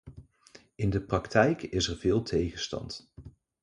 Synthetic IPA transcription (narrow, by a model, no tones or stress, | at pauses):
ɪndəprɑktʰɛjkɪsɛɹvɪːlˠtʰejχənstɑ̰nt